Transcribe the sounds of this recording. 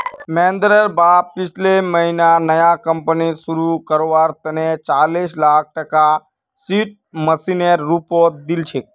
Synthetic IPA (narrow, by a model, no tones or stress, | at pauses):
mɛ̃ːnd̪ɾəɾbapɪt͡ʃʰleməɦinanəjakəmpənisuɾukəɾoʋaɾt̪ənet͡ʃaːlislaːk̚ʰʈəka | siʈ̚məsineɾːupot̪̚d̪ilt͡ʃʰek̚